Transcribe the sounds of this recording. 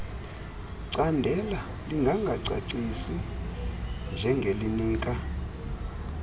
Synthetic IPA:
ǀandʱɛla | liŋɡʱaŋɡʱaǀa̰ǀisi | nd͡ʒʱɛŋɡʱeliniːkʼa

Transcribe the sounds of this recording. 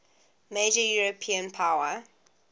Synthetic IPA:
meɪd͡ʒəjuːɹəpʰĩə̃npʰaʊwə

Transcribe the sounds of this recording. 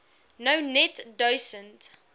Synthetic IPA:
noʊnɛtdoɪsə̃nt

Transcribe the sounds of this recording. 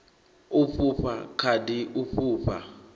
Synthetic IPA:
uɸuɸa̰kʰadiʔuɸuːɸa̰

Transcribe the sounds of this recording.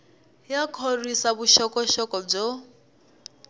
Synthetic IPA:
jakʰorisaβuʃɔkʼɔʃɔkʼɔb͡ʐɔ

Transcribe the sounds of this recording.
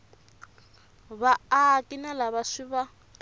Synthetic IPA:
βaːkʼinalaβaʂiβa

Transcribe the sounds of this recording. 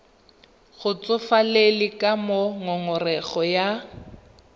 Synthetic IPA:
ɣʊt͡sʼʊfalelɪkʼamoŋɔŋʊrɛɣɔja

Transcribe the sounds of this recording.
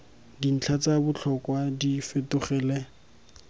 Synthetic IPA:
din̩t͡ɬʰat͡sabʊt͡ɬʰɔkwadifetʊχɛːlɛ

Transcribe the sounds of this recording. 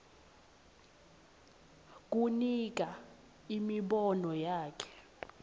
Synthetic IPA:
k̬unik̬a | imiɓɔnɔjaːkʰɛ̥

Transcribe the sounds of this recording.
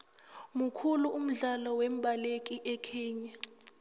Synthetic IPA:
mukʰuluʔum̩ɮalɔwemɓʱalek̬ʼiʔɛkʰiːɲa

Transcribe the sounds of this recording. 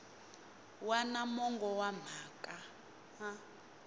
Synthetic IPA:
wanamɔŋɡɔwam̤aːkʼa | a

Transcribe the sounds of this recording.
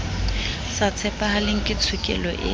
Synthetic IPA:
sat͡sʰɛpʼahalɪŋ̩kʼɪt͡sʰʊkʼɛ̰lɔʔɪ̰

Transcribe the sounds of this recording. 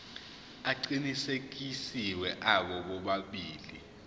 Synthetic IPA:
aǃinisek̬isiwɛʔaɓɔɓɔɓaɓiːli

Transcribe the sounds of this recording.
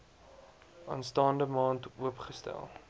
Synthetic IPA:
ɑ̰ːnstɑːndəmɑːntuəpχəstæ̰lˠ

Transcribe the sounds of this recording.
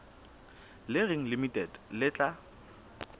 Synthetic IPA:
lɪrɪŋ̩limitʼɛdlɪt͡ɬʼa

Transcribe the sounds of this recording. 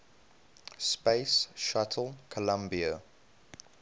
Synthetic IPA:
speɪsʃatʰəl̩ˠkʰəlãmbiə

